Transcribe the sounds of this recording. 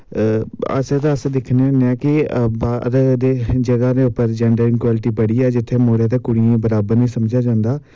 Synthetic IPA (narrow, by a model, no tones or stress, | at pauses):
ə̰st̪ãəsd̪ɪkʰneəneaːkɪbaːd̪əd̪eːd͡ʒəɡaːd̪eːʊpːəɾd͡ʒɛːɳɖəɾɪŋkwaːlɪʈiːbəɽiːɛːd͡ʒɪt̪ʰːeːmoːɽaːt̪eːkʊɽiːẽbəɾaːbəɾnĩːsəmd͡ʒaːd͡ʒãːnd̪aː